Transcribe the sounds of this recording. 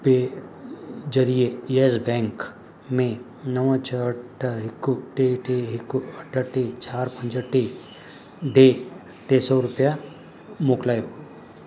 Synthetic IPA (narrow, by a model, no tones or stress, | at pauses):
pe | d͡ʒɐɾiejesbɛ̃ːŋk | mẽ | nəʋãt͡ʃʰəʈʰɦɪkːuʈeʈeɦɪkuɐʈʰːəʈet͡ʃaːɾpə̃nd͡ʒəʈːe | ɖe | ʈesɔɾʊpja | moːklaːjo